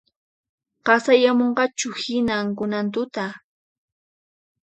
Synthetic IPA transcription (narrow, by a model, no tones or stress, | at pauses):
ɢɑsajamoɴɢɑt͡ʃʊhɪnaŋkʊnant̪ʊt̪a